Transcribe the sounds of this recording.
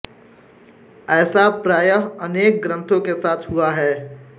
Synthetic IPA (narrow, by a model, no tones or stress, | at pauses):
ɛːsapɾaːjəɦəneːk̚ɡɾə̃nt̪ʰõkesaːt̪ʰɦʊaɦɛː